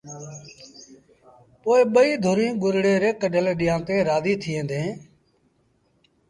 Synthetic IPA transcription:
poːeːɓəiːd̪ʱoːɾĩːɡʊɾɽeːɾeːkəɖəleːɗɪjãːt̪ẽːɾaːd̪iːt̪ʰiẽːnd̪ẽː

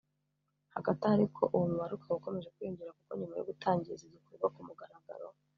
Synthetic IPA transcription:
haɡatahaɾikʰo̞ʔuwumuβaɾukʰawuko̞me̞ʒekwiːɲzuɾakukoɲumajo̰ɡutʰaːɲɟiizizokuɾuβakumuɡaɾaɡa̰ɾo̰

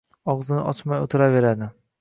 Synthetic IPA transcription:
ɒʁzɪnɪ̰ʔɒt͡ʃmajot̪ʰɪɾave̞ɾad̪ɪ

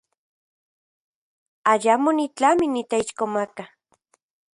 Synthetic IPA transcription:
ajamonit͡ɬaminit̪eiʃkomaka

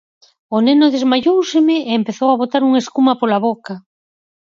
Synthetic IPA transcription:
onenʊðezmaʎowsɪmɪeːmpeθowaβ̞ot̪aɾuŋeskumɐpolaβoka

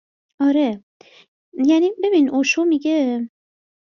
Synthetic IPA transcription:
ɒɾe | jænibe̞binʔoʃomiɡe

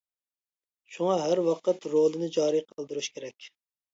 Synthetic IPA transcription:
ʃuŋɑɦæɾwɑqət̪ɾolˠɨnɨd͡ʒɑːɾijqʰɑlˠd̪ɨɾuʃkʲʰeɾɛkʲ

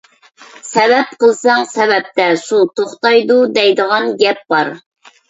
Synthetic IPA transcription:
sɛvɛp̚qəlˠsɑŋsɛvɛp̚t̪ɛʃut̪ʰoχt̪ɑjd̪ud̪ɛjd̪əʁɑnɡʲɛp̚bɑɾ

